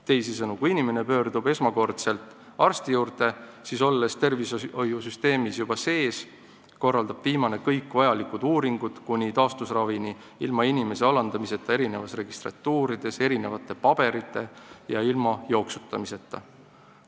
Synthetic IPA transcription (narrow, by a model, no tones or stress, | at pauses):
t̪e̞jsisɤnukuinʲime̞ne̞pø̞ːrd̪ube̞smɑko̞rt̪se̞lt̪ːˑ | ɑrst̪ijuːɾt̪e̞siso̞lːe̞st̪e̞rvisojusyst̪e̞ːmisjub̥ɑse̞ːs | ko̞rːɑld̪ɑb̥viːmɑne̞kɤjkːvɑjɑlikud̪̥uːɾiŋɡ̥ud̪̥kunʲit̪ɑːst̪usrɑvini | ilmɑinʲime̞se̞ɑlɑnd̪̥ɑmise̞t̪ːˑɑe̞ɾine̞vɑsre̞ɡ̥ist̪rɑ̰t̪ːuːɾid̪̥e̞se̞ɾine̞vɑt̪ːˑe̞pɑb̥e̞ɾit̪ˑːe̞jɑilmɑjo̞ːksu̥t̪ːˑɑmise̞t̪ːˑɑ̰